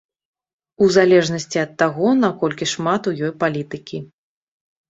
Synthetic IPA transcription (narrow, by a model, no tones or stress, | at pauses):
uzalʲɛʐnɐsʲt͡sʲiɐt̪ːaɣɔnakɔlʲkʲiʂmat̪ujɔjpalʲit̪ɨkʲi